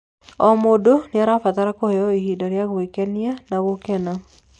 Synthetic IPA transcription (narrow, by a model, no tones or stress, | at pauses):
ɔmodonjaɾafat̪aɾakɔɔihidaɾjaɡwekɛnjanawokɛna